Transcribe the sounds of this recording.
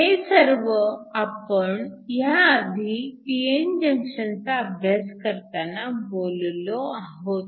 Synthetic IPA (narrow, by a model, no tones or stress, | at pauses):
ɦesəɾʋəapəɳjaːd̪ʱiʈiend͡ʑəŋkʂənt͡saəbʱjaskəɾt̪anabollɔaɦot̪̚